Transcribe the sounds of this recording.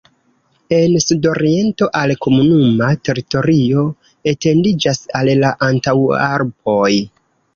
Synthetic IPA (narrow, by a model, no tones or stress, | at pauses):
e̞nsudo̞ɾie̞nto̞ʔalko̞munumate̞ɾito̞ɾio̞ | e̞te̞ndid͡ʒasallaʔantawa̰ɾbo̞j